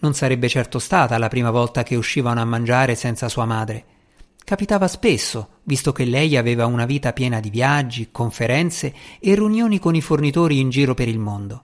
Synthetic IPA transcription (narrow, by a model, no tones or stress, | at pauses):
nonsaɾɛbːet͡ʃɛrt̪ost̪aːt̪alapɾiːmavɔlt̪ak̟euʃːiːvanoamːand͡ʒaːɾesɛnt̪sasuːamaːd̪ɾe | kapit̪aːvaspesːo | vist̪ok̟elːɛjaveːvaunaviːt̪apjɛːnad̪ivjad͡ʒːikoɱfeɾɛnt̪seːriunjoːnikonifornit̪oːɾiːnd͡ʒiːɾopeɾilmond̪o